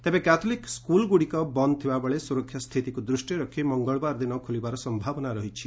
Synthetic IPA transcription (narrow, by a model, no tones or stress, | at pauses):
t̪ebẽkat̪ʰolikskulɡuɽikɔbʌnt̪ʰibabɔɭesuɾɔkʰːjast̪ʰit̪ikud̪ɾusʈiɾʌkʰːimɔŋɡɔɭbaɾd̪inʌkʰulibaɾɔsʌmbʱabɔnaɾʌɦit͡ʃʰi